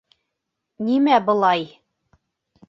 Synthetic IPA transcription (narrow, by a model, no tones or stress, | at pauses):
nimæbɤ̆lˠɑj